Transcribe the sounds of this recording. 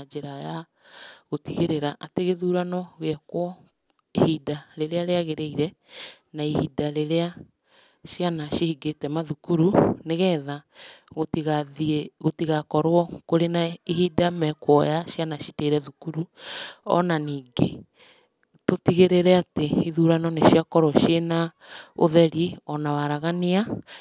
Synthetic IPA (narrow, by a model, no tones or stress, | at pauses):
d͡ʒeɾaja | ɣotiɣeɾeɾaʔateɣeðuɾanɔɣeɛkwɔ | ehidaɾeɾeaɾeaɣeɾeiɾɛ | naehidaɾeɾea | ʃjanaʃihiɡetɛmaðukuɾuneɣɛːðaɣotiɣaðieɣotiɣakɔɾwɔkoɾenaiɦidamɛkwɔjaʃjanaʃiteɾɛðukuɾuɔ̰naniːŋɡe | totiɣeɾeɾɛateiðuːɾanɔneʃjakɔɾwɔʃena | o̰ðɛɾiɔnawaɾaɣania